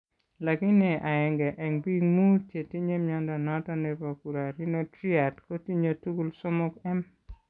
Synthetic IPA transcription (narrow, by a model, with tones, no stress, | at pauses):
la˨ki˦nɛ˨ʔa˨ɛ˨ŋɡɛ˨ʔɛ˨ŋbi˦ŋmu˦tje˨ti˦ɲe˦mɲɔ˦nda˨na˦tɔ˦nɛ˨po˨ku˨ɾa˨ɾi˦no˦tɾi˦a˨tko˦ti˦ɲo˨tu˦ɡu˦lsɔ˦mɔ˦kɛ˦m